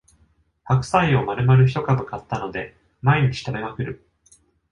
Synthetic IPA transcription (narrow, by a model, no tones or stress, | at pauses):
hakɯ̟̥saio̞maɾɯ̟maɾɯ̟ç̬i̥t̪o̞kabɯ̟kat̪ːano̞d̪e̞ | maeɲ̟it͡ɕi̥t̪ame̞makɯ̟ɾɯ̟